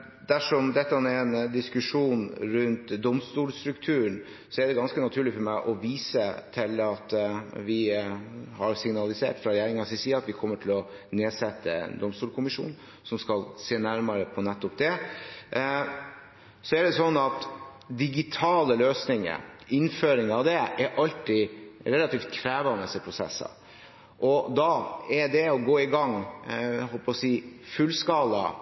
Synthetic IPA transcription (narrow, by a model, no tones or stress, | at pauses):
d̪̥æʂɔmd̪ɛt̪ːəɑnɛɛnd̪ɪskʉʂuːnɾʉnt̪d̪ɔmst̪uːlst̪ɾʉkt̪ʰʉːəɳ | sɔɛɖɛɡɑnskənɑt̪ʰʉːɭɪfɔɾmæɪʔɔʋiːsət̪ʰɪlɑt̪ʋɪ | hɑɾsɪŋnɑlɪsḛːʈfɾɑɾɛjæːɾɪŋɑsɪsiːɑt̪ʋɪkʰɔmːəʈʰɪlɔ | neːsɛt̪ːəɛ̰nd̪ɔmst̪uːlkʰʊmɪʂṵːn | sɔmskɑlseːnæɾmɑɾəpʰɔnɛt̪ːɔp̚d̪ɛ | sɔæɖɛsɔnːɑt̪ | d̪ɪɡɪt̪ʰɑːləløːsnɪŋə̰ɾɪnføːɾɪŋəɑʋd̪ɛʔɛɾʔɑlt̪ɪɾɛlɑt̪iːft̪̚kʰɾæːʋɑnəsɛpʰɾʊsɛ̰sːɑ̰ | ʔɔd̪ɑɛɖɛɔɡoːɪɡɑŋ | hɔlpɔsiːfʉlskɑːlɑ